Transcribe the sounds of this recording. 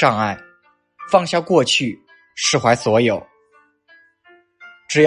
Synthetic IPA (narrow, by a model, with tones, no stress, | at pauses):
ɑ˥˧ŋa˥˩ɪ | fɑ˥˧ŋɕja˥˧kwɔ˥˧t͡ɕʰy˥˩ | ʂɻ̩˥˩xwa˧˥ɪswɔ˧˥jo˨˩ʊ | ʈ͡ʂɻ̩˧˥j